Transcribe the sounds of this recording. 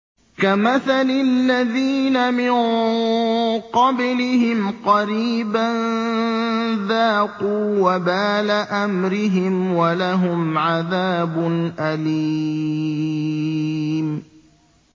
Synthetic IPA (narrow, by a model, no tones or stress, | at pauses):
kamaθalɪlːaðiːnamɪn | qɑblɪhɪmqɑɾiːban | ðaːquːwabaːlaʔamɾɪɦɪmwalaɦʊmʕaðaːbʊnʔali | m